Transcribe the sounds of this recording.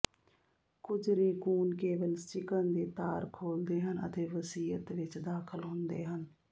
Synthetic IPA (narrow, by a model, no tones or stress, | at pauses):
kʊd͡ʒɾeːkuːnkeːʋəlt͡ʃɪkənd̪eːt̪aːɾkʰoːld̪eːɦənə̰t̪eːʋəsiːət̪ʋɪt͡ʃd̪aːkʰəlɦʊ̃nd̪ḛːɦən